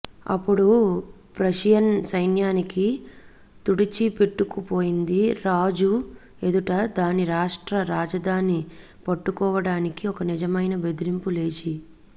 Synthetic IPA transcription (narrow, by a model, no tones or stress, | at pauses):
ɐ̰pːuɽu | pɾɐʃjɐnsɐjnjaːniki | t̪uɽit͡ʃipeʈːukupoːjind̪iɾaːd͡ʒu | ed̪uʈɐd̪aːniɾaːʂʈɾɐɾaːd͡ʒɐd̪ʱaːni | pɐʈːukɔːʋɐɽaːnikiɔkɐnid͡ʒɐmɐjnɐbe̞d̪iɾimpule̞ːt͡ʃi